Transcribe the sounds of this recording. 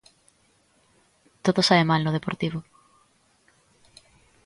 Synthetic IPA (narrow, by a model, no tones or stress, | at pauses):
t̪oðosaβemalnoð̞epoɾt̪iβ̞o